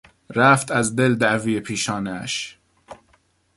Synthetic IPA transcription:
ɾæft̪ʰæzd̪eld̪æʔviːjepʰiːʃɒːnæʃ

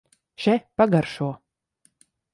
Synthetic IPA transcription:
ʃɛpaɡaɾʃuɔ

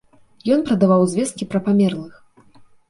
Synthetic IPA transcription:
jɔnpɾɐd̪avawzʲvʲɛst̪̚kʲipɾɐpamʲɛrlˠɨx

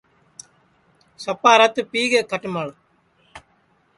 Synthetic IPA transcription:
sɐpːaːɾat̪ːɯpiːɡekɐʈːɯmaːɭ

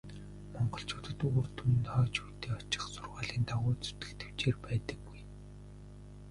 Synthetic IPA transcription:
mɔɴɢɞ̆ɬt͡ɕʊ̥ːt̪ə̆t̪oːrt̪ʰum̆nt̪χɔːt͡ɕuːt̪eːɔt͡ɕɪ̥̆χsʊrʁaːɮiːnt̪ʰaʁʊːt͡su̥t̪ɘ̥̆kt̪ʰew̥t͡ɕeːrpæːt̪ə̆k̚wuj

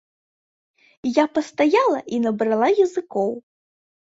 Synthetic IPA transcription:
japɐst̪ajalˠɐʔinɐbɾalˠajɐzɨkɔw

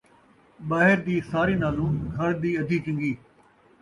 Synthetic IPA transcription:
ɓaːɦɪɾd̪iːsaːɾiːnaːlũːɡʱɐɾd̪iːɐd̪ʱiːt͡ʃɪ̃ŋɡiː

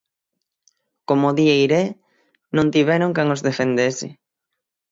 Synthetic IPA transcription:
komoðiejɾe | nõnt̪iβɛɾoŋkaŋozðefend̪esɪ̰

